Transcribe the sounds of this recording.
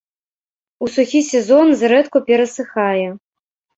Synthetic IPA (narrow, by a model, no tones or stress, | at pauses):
usuxʲisʲɛzɔnzɾɛt̪kupʲɛɾɐsɨxajɛ